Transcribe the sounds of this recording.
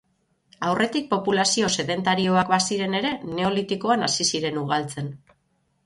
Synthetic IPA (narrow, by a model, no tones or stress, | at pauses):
awrʔe̞t̪ik̚po̞pulasio̞se̞ðe̞nt̪aɾio̞akbasiɾe̞ne̞ɾe̞ne̞o̞lit̪iko̞anasisiɾe̞nuɣalt͡se̞n